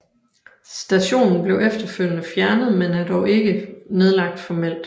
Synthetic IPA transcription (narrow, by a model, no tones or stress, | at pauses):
sd̥æɕo̝̰ːnn̩b̥le̝ʊʔefd̥ɐføl̰jnəfjæɐnəð̞̩ˠmenæɐd̥ɒʊe̝ɡ̥əne̝ð̞ˠlɑ̈ɡ̥̚d̥fɒmel̰d̥